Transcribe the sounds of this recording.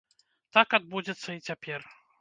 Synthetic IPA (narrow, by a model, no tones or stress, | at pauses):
t̪akad̪̚bud͡zʲɛt̪sːɐit͡sʲapʲɛr